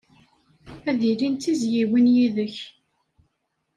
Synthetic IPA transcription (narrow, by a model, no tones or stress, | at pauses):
æðiɾint̪ːizjiwinjiðəç